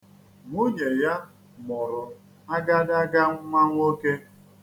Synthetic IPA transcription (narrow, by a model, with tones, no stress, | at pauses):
ŋʷu˦ɲe˨ja˦ | mʊ˨ɾʊ˨ | a˦ɡa˦da˦ɡa˦ŋʷa˦ŋʷ˦o˦ke˦